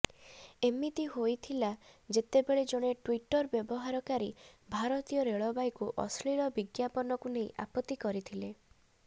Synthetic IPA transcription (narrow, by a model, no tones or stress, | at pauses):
emit̪iɦojt̪ʰilad͡ʒet̪ebeɭed͡ʒoɽ̃eʈwiʈɔɾbjɔbɔɦaɾɔkaɾibʱaɾɔt̪ijɔɾeɭɔbajkuʔɔsɭiɭɔbiɡjapɔnɔkunejʔa̰pɔt̪ːikɔɾit̪ʰile